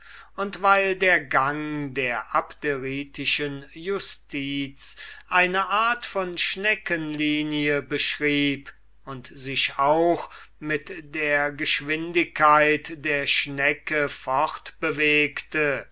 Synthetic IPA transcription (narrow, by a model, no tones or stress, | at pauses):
ʊntvaɪldeːɐɡaŋdeːɐʔapteʁiːtɪʃənjʊstʰiːt͡sʔaɪnəʔaːɐtfɔnʃnɛkənliːniəbəʃʁiːp | ʊntz̥ɪʃaʊx | mɪtd̥eːɐɡəʃv̥ɪndɪkʰːaɪtd̥eːɐʃnɛkəfɔʁtb̥əveːktə